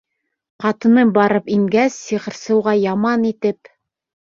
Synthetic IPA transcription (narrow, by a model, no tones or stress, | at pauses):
qɑt̪ɤ̆nɤbɑɾɤpiŋɡæsːiʁɤ̆ɾsɤ̆wʁɑjɑmɑnit̪ɘp̚